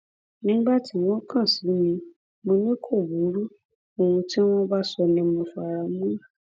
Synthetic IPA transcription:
nĩ˦ŋ͡m̩˦ɡ͡ba˦˨tʰi˦w̃ɔ̃˦kʰã˦˨si˨˦mĩ˧ | mõ˧nĩ˦kʰo˦˨bu˨˦ɾu˦ | o˨wũ˧tĩ˦w̃ɔ̃˦ba˦sɔ˧nĩ˧˦mõ˧fa˨ɾa˨˦mũ˦a˦˨

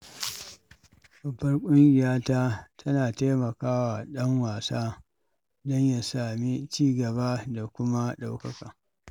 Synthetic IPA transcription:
bɐ˨bːɐ˦rkʷʼʊ˦ŋɡʲɪ˨jaː˦taː˦tʰɐ˦naː˨ta˦mɐ˨kaː˦wa˨ɗɐ˦ŋwaː˨saː˦ | dɔ˦ɲja˦saː˨mi˦t͡ʃiː˦ɡɐ˨ba˦da˨kʷʊ˦ma˦ɗa˦wkɐ˦ka˨

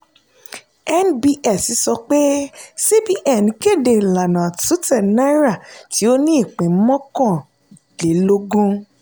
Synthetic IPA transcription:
ɛ˦nbi˧ʔɛ˦˨si˨˦sɔ˧k͡pe˦se˦bi˦ʔɛ˨nĩ˨˦ke˦˨de˨la˨nã˨tu˨˦tɛ˦˨nã˦ɾa˦˨ti˨˦o˦nĩ˦i˦˨k͡pĩ˨˦mɔ̃˦kɔ̃˦˨ | le˨˦lo˦ɡũ˦

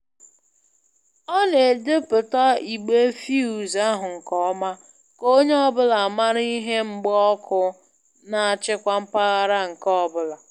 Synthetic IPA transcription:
ɔ˦ne˨dɪ˦pʊ˨ta˦i˨ɡ͡be˦fi˦u˨za˦ɦʊ˨ŋ̩˨kɔ˦ma˦ | ko˦ɲe˦ɔ˦bʊ˦la˨ma˦ɾi˦ɦe˦ŋ͡m̩˦ɡ͡bɔ˦kʰʊ˦ | na˨a˨t͡ʃɪ˦kʷa˦m̩˦pa˦ɣa˦ɾa˦ŋ̩˨kɔ˦˨bʊ˦la˨

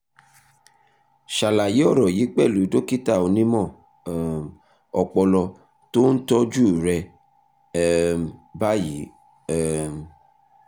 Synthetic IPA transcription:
ʃa˨la˨ji˨˦ɔ˦˨ɾɔ˨ji˨˦k͡pɛ˦˨lu˨˦do˦ki˦ta˦˨o˧nĩ˦mɔ̃˦˨ | ɔ˧k͡pɔ˧lɔ˧ | to˦n̩˦tɔ˦d͡ʒu˦˨ɾɛ˧ | ba˦ji˨˦˨

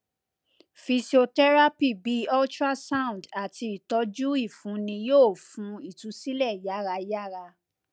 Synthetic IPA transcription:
fi˧si˨o˧tɛ˦ɾa˦pi˦˨bi˨˦ɔ˦ltɾa˦sã˦˨ũ˨nda˨ti˧i˨tɔ˨˧˦d͡ʒu˦i˦˨fũ˨˦nĩ˧joː˦˨fũ˨˦i˨tu˨˦si˦lɛ˦˨ja˦˨ɾa˧ja˦˨ɾa˧

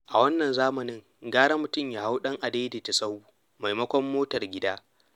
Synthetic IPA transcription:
ʔa˨wɐ˦nːɐ˨nzaː˦mɐ˨nɪ˦ŋ | ɡaː˦ɽɐ˦mʊ˨tʊ˦mjaː˦ha˦wɗɐ˦ŋʔa˨de˦de˨ta˨sɐ˦wuː˦ | ma˨jmɐ˦kʷɔ˦mːoː˦tɐ˨rɡʲɪ˦daː˦

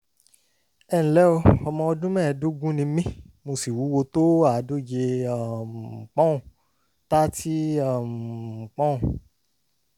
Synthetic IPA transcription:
ɛ˦˨ñ̩˨lɛ˦o˧ɔ˧mɔ̃˧o˧dũ˦mɛ̃˦˨˧du˦ɡũ˦nĩ˧mĩ˦ | mo˧si˨wu˨˦wo˧to˦a˦˨˦do˦˨d͡ʒe˧a˦˨k͡pɔ̃˦ũ˨ | ta˦ti˦a˦˨k͡pɔ̃˦ũ˨

